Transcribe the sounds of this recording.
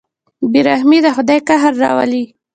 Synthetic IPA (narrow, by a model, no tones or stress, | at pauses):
biɾahmid̪əxʊd̪ɑjkaɦaɾːɑ̰wa̰li